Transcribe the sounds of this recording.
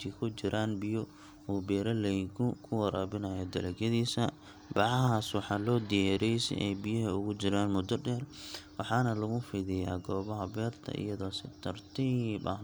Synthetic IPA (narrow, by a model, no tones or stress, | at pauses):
t̪ʰiːkʰʊt͡ʃɪɾʔaːnbɪjɔ | uːbɛːɾɐlɛjkʰʊkʰʊwɐɾaːbɪnɐːjɔd̪ɐlɛɡɐðiːsɐ | bɑʕɑɦaːswɑħɑːlɔːd̪ɪjɛːɾɛjsɛ̰ʔɛ̰bɪjɐɦɐʊɣʊt͡ʃɪɾaːnmʊd̪ɔɖɛːrwɑħɑːnɐlɐɣʊfɪðɪja̰ːɡɔːβɐɦɐbɛːrt̪ʰɐ̰ʔɪ̰jɐðɔːsɪt̪ʰɐrt̪ʰɪbɐ̰